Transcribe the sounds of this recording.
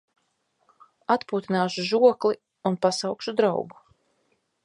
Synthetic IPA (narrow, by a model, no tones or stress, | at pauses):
at̪puːt̪inaːʃuʒuɔkli | unpasawkʃud̪ɾa̰wɡu